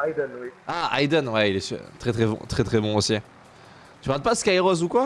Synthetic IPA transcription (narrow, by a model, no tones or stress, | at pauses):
ajd̪ɔnwiaa̰jd̪ɔnwɛilɛsy̰ʁt̪χɛt̪χɛbɔ̰̃t̪χɛt̪χɛbɔ̃osi | t̪yʁãd̪̚paskajʁɔzukwa